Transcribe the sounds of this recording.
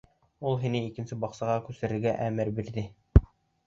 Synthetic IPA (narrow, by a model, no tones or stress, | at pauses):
ulˠɦinɘikɘ̆nsɘbɑqsɑʁɑkʉsɘ̆ɾɘ̆ɾɡæʔæmɘɾbiɾðɘ